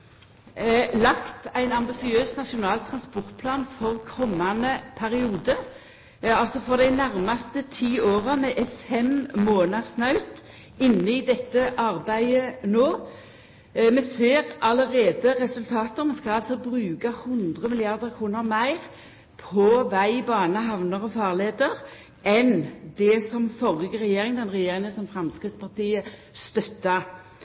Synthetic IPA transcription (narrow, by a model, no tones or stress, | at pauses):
lɑkt̪æɪnɑmbɪsɪøːsnɑʂʊnɑːlt̪ʰʁɑnspɔʁt̪̚pʰlɑːnfɔʁkʰɔmːɑnəpʰæʁɪuːd̪ə | ɑlsɔfɔʁd̪æɪnæʁmɑst̪ət̪ʰiːoːʁəmɛʔɛffɛmmoːnəʁsnɑʉt̪ | ɪnːəɪd̪ɛt̪ːəʔɑʁbæɪənoː | mɛseːʁʔɑləʁeːd̪əʁɛsʉlt̪ʰɑːt̪əɾmɛnskɑlɑlsɔbʁʉːkɑhʉnd̪ʁəmɪlɪɑʁd̪əʁkʰʁuːnəʁmæɪʁ | pʰɔʋæɪbɑːnəɦɑʋnəʁɔfɑːʁleːd̪əʁ | ʔɛnd̪ɛsɔmfɔʁɪɡəʁɛjeːɾɪŋd̪ɛnʁɛjeːɾɪŋəsɔmfɾɑmskʁɪt̪spɑʁt̪iːə | st̪œt̪ːɑ